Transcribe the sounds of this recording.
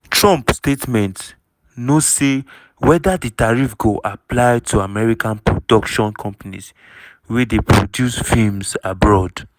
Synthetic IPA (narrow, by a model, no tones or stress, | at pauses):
tɹɔ̃mpstetmɛ̃nt | nozse | wɛdaditaɹifɡoʔaplajtʰuamɛɹikãnpɹodɔkʃɔ̃nkʰɔ̃mpanḭs | wɛdepʰɹodjusfilmsabɹɔd